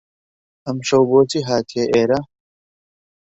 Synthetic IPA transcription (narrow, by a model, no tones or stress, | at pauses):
ɐmɕowboːt͡siɦaːt̪ʰieʔeːɾa